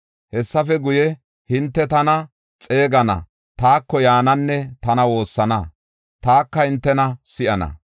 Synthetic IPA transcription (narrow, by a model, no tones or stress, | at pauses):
hɛsːɐfɛɡʊjɛ | hɪnt̪ːɛt̪ɐnɐ | t͡sʼe̞ːɡɐnɐ̰ | t̪aːkːɔjaːnɐnːɛt̪ɐnɐwo̞ːsːɐnɐ | t̪aːkːɐhɪnt̪ːɛnɐsɪʔɐnɐ̰